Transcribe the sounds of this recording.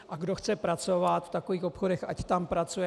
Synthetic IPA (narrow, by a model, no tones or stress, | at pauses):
ʔaɡdo̞xt͡sɛpɾat͡so̞vat̪ft̪akoviːxopxodɛxʔact̪ampɾat͡sujɛ